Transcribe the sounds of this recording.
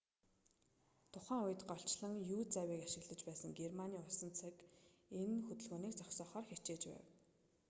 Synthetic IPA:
t̪ʰʊχæːŋʊjɘ̆t̪ɢɔɬt͡ɕɮə̆ŋjuːt͡sæwiːkaʃɪ̆ɣɮə̆t͡ɕpæːsə̆ŋɡermaniːʊsə̆nt͡sʰăkenxɵt̪ɵ̆ɮɣoːniːkt͡sɔksɔːχɔːrxet͡ɕeːt͡ɕpæ̰ːw

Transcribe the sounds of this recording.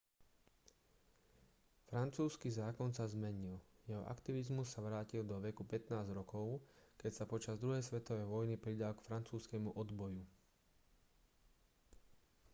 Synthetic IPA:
fɾant͡suːskizaːkɔnsazmɛɲiljɛɦɔ̰ʔa̰kt̪iʋizmus̬ːaʋɾaːcild̪ɔʋɛkupɛt̪naːzɾɔkɔʊkɛcsapɔt͡ʃazd̪ɾuɦɛjsʋɛt̪ɔʋɛjʋɔjnipɾid̪alkfɾant͡suːskɛmuʔɔd̪bɔju

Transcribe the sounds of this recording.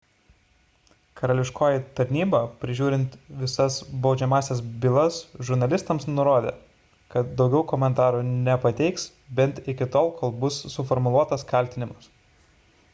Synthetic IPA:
kɐɾɐlʲɪʃkoːjɪt̪ɐɾʲnʲiːbɐpʲɾʲɪʒʲuːɾʲɪnt̪ʋʲɪsɐsbɒʊd͡ʒʲɛmɑːsʲɛs̬bʲɪlˠɐsʒʊɾnɐlʲɪst̪ɐmsnʊɾoːd̪ʲḛː | kɐt̪̚d̪ɒʊɡʲɛʊkɔmʲɛnt̪ɑːɾuːnʲɛpɐt̪ʲɛɪks | bʲɛnt̪ɪkʲɪt̪oːlˠkoːlˠbʊsːʊfɔɾmʊlˠuɔt̪ɐskɐlʲt̪ʲɪnʲɪmʊs

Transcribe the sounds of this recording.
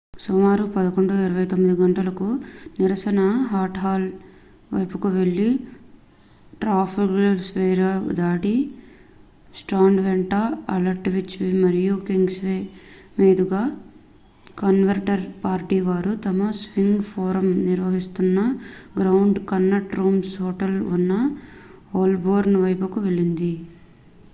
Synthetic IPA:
sumaːɾupɐd̪ɐko̞ɳɖuiɾɐʋɐjt̪omːid̪iɡɐɳʈɐlɐkuniɾɐsɐnɐɦaːʈɦaːl | ʋɐ̰jpukuʋe̞ɭːi | ʈɾaːpʰikɐlsʋeːɾɐ̰d̪aːʈi | sʈaːɳɖʋeɳʈaɐlɐɾʈʋit͡ʃːʋimɐɾijukiŋɡsʋeː | meːd̪uɡaː | kɐnʋɐɾʈɐɾpaːɾʈiːʋaːɾut̪ɐmɐsʋiŋɡpʰoːɾɐmniɾʋɐɦist̪unːɐɡɾɐwuɳɖkɐnːɐʈɾuːmsɦoːʈɐlunːɐ | oːlboːɾnʋɐjpukuʋe̞ɭːind̪i

